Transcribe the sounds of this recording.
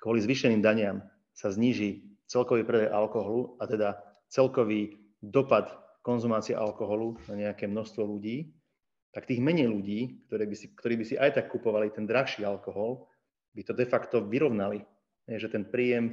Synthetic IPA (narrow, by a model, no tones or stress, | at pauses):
kʋɔlizʋiʃɛniːmd̪aɲɪam | sazɲiːʒit͡sɛlkɔʋiːpɾɛd̪ajʔalkɔɦɔluat̪ɛd̪a | t͡sɛlkɔʋiː | d̪ɔpat̪ | kɔnzumaːt͡siɛ̰ʔalkɔɦɔlunaɲɛakɛːmnɔxst̪ʋɔluɟiː | t̪akt̪iːɣmɛɲɛjluɟiːkt̪ɔɾɛːbisikt̪ɔɾiːbisiʔajt̪akːupɔʋalit̪ɛnd̪ɾaxʃiːalkɔɦɔl | bit̪ɔd̪ɛfakt̪ɔʋiɾɔʋnali | ɦɛjʒɛt̪ɛnpɾiːjɛm